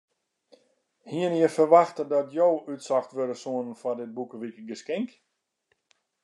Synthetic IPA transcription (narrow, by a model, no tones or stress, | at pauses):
hiənjəfərʋaxtədɔtjowytsɔxtʋøɾəsuənənfɔdɪt̚bukəʋikɡəskɪŋk